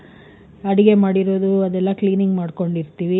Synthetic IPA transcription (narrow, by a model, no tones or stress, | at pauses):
ɐɽiɡe̞maːɽiɾo̞ːd̪uɐd̪ɛlːɐkliːniŋɡmaːɽko̞ɳɖiɾt̪iːʋi